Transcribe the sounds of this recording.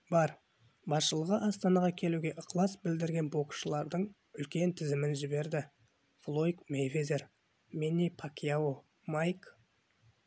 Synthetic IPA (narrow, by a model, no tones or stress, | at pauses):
bɑɾ | bɑsʃəlˠəʁəʔɑst̪ɑnɑʁɑkʲʰe̞luɡʲe̞ʔəqlˠɑsbɪld̪ɪɾɡʲe̞nbo̞kʃəlˠɑɾd̪əɴ | ʏlkʲe̞nt̪ʰɪzɪmɪnʒɪbe̞ɾd̪ɪ | flˠo̞jkmejvezeɾ | mʲenipʰakʲiao | majk